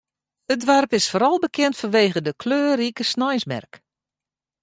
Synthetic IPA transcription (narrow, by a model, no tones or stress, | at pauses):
ədʋɛrpɪsfoːɾɔlˠbəkʰɛntfɔnʋeːɣədəkʰløːrikəsnɔjsmɛ̰rk